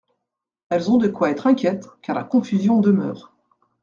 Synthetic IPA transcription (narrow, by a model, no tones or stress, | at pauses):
ɛlzɔ̃d̪əkwaɛt̪χɛ̃kʲjɛt̪kaʁla̰kɔ̃fyzjɔ̃d̪əmœ̰ːʁ